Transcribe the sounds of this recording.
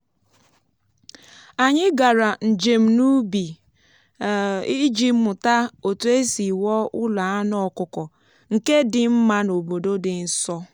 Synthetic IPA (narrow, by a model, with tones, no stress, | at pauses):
a˨ɲɪ˦ɡa˨ɾa˨n̩˨d͡ʒe˨m̩˨nu˦bi˨ | i˦d͡ʒi˦mʊ˨ta˦o˨tu˦e˦si˨wɔ˦ʔʊ˦la˨a˦nɔ˦˨˦kʊ˨kɔ˨ | ŋ̩˨ke˦dɪ˨m̩˦ma˦no˨bo˨do˦dɪ˨n̩˦sɔ˦